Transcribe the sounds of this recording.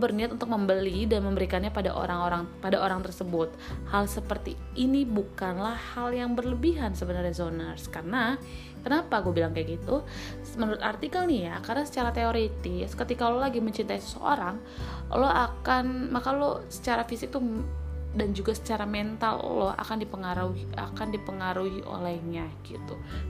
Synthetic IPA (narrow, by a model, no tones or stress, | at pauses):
bərniat̪unt̪ʊk̚məmbəlidanməmbəɾikanɲapada̰ʔo̰ɾaŋoɾaŋpadaoɾaŋt̪ərsəbʊt̪̚halsəpərt̪iː | nibukanlahhaljaŋbərləbiɦansəbənarazonərskarna | kənapaɡuabilaŋkajaɡit̪u | mənuɾʊt̪art̪ikəlnijakaɾənasə̥t͡ʃaɾat̪eoɾet̪ɪskət̪ikaololaɡiməɲt͡ʃint̪aisə̥səʔo̰ɾaŋ | o̰lɔakanmakalosə̥t͡ʃaɾafisɪk̚t̪u | dand͡ʒuɡasə̥t͡ʃaɾamɛnt̪alo̰lɔha̰kandipəŋaɾuia̰kandipəŋaɾuɦiʔo̰lɛhɲaɡ̥it̪u